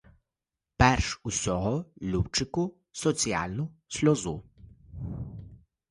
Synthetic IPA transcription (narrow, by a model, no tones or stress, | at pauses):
pɛrʃusʲɔɦɔlʲuwt͡ʃɪkʊ | sɔt͡sʲija̰lʲnʊsʲlʲɔzu